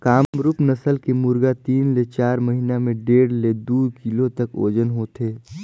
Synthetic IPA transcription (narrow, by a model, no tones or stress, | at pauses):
kaːɾʊpnɐsəlkemʊɾɡat̪iːnlet͡ʃaːɾməɦiːnamẽɖeːɽled̪uːkilot̪ɐko̰ːd͡ʒənɦoːt̪ʰeː